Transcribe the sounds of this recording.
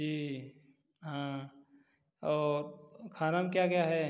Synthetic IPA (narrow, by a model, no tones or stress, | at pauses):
d͡ʒiː | ɦã | ɔːɾkʰaːnamkjakjaɦɛ